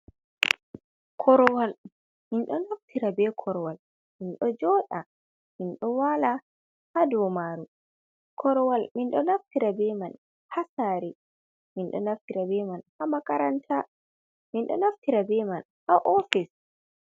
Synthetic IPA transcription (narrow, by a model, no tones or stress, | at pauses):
kʰɔɾɔwal | minɗɔnaftʰiɾabɛkʰɔɾɔwal | minɗɔd͡ʒɔɗa | minɗɔwala | hadɔmaːɾu | kʰɔɾɔwalminɗɔnaftiɾabɛman | hasaːɾɛ | minɗɔ̰naftiɾabɛmanhamakaɾantʰa | minɗɔ̰naftiɾabɛman | haʔɔfis